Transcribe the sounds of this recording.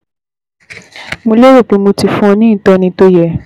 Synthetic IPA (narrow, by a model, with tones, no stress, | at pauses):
mo˧le˦wo˦˨k͡pe˧mo˧ti˨fũ˦ɔ̃˧nĩ˦˨tɔ˦nĩ˧to˦jɛ˧˨